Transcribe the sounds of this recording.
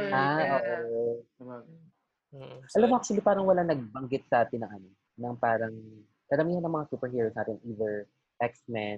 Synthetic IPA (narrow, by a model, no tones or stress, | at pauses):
aʔoːʔo | ʔɐlamːoak̚t͡ʃ̪uɐlipaːɾɐŋwɐlaŋnɐɡ̚bɐŋɡɪt̪̚sɐʔaːt̪ɪnːɐŋʔɐno | nɐŋpaːɾɐŋ | kɐɾɐmiːhɐnːɐŋmɐŋasuːpɛɹɦiːɾosnaːt̪ɪnʔiːðɛɹ | ʔɛksmɛn